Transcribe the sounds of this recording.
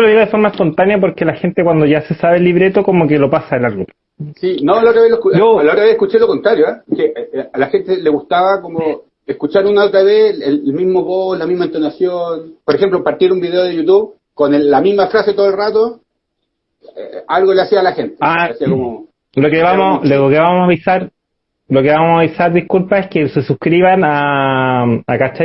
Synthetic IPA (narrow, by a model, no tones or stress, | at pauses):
oloðiɣoðefoɾmaespo̞nt̪anjap̬oɾkelaxent̪ekwand̪oʝase̞saβelːiβɾet̪okomokelopasaelalɣu | sinolaot̪ɾaβeloekuolaot̪ɾaβeekut͡ʃelokont̪ɾaɾjoapkeʔalaxent̪eleɣust̪aβakomo | eskut͡ʃaɾunaot̪ɾaβesellmizmoβoslamizmaent̪onasjonpoɾexemplompaɾt̪jeɾumbiðeoðejut̪uβ | konelːamizmafɾaset̪oðelrat̪o | ealɣoleasiaːlaxent̪e̥aasiakomo | lokeβamolokeβamosaβisaɾ | lokeβamosaβisaɾðihkulpaehkesesuhkɾiβana | akat͡ʃa